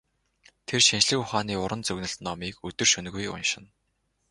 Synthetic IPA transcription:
t̪ʰerʃint͡ɕɮɘ̆kʊχaːniːʊɾʔə̆nt͡sɵɣnɘ̆ɬt̪nɔmiːkɵt̪ɵ̆rʃɵn̆ɣujʊ̰nʃɪ̆n

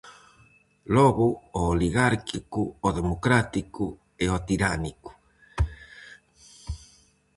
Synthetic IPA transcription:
lɔɣuoːliɣaɾkikuoðemokɾat̪iku | eot̪iɾaniku̥

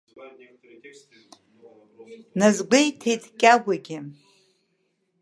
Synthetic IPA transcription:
nazɡʷejtʰejtʰʼkʲʼaɡʷaɡʲɪ

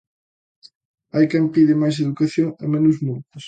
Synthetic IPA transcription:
ajkɛmpiðɪmajs̬eðukaθjoŋɐ̰menʊzmult̪ʊs

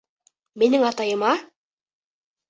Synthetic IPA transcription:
minɘŋɑt̪ɑjɤ̆mɑ

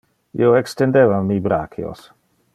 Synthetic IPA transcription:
ḭowekst̪endevamːibɾakʰio̰s

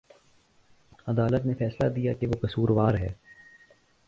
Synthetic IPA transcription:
ɐd̪aːlət̪nefɛːslad̪ijakeʋokɐsuːɾʋaːɾɦɛ̰ː

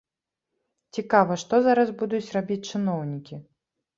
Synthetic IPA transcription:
t͡sʲikavɐʂt̪ɔzaɾɐzbud̪ut͡sʲrabʲit͡sʲt͡ʂɨnɔwnʲikʲi

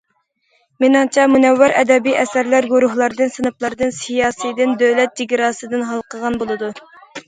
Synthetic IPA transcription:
menɨŋt͡ʃʰɛmunɛwːæɾɛ̰d̪ɛbiʔɛsæɾlæɾɡuɾuɦlˠɑɾd̪ɨnsɨnɨplˠɑɾd̪ɨnsijɑːsijd̪ɪnd̪ølɛt̪̚d͡ʒiɡʲiɾɑːsɨd̪ɨnɦɑlˠqʰəʁɑnbolˠɨd̪u

